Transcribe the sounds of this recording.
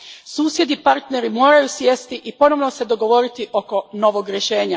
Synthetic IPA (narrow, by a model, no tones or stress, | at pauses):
suːsje̞d̪ipaɾt̪ne̞ɾimo̞ːɾajusje̞st̪iʔipo̞noʋno̞se̞d̪o̞ɡo̞ʋo̞ɾit̪iʔo̞ko̞no̞ʋoɡɾjeʃe̞ːɲa